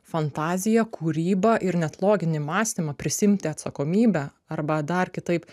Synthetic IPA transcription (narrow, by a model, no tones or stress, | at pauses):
fɐnt̪ɑːzʲɪjɛkʰuːɾʲiːbɐʔɪɾnʲɛt̪lˠoːɡʲɪnʲɪmɑːsʲt̪ʲimɐpʲɾʲɪsʲɪmʲt̪ʲɪɐt̪sɐkoːmʲiːbʲɛ | ɐɾbɐd̪ɐrkʲɪt̪ɐɪp